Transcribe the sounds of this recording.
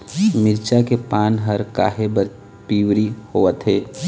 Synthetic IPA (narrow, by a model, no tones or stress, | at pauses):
mɪɾt͡ʃakepaːnɦɐɾka̰ːɦebə | piːwɾihoːət̪ɦeː